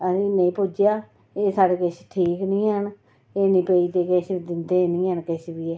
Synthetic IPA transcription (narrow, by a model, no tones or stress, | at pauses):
əsĩːnẽĩːpʊd͡ʒjaː | eːsaːɽeːkɪʃʈʰiːknĩːɦəɳ | eːnĩːpeiːt̪eːkeʃid̪ɪnd̪eːnĩːɦənkɪʃbiːɛː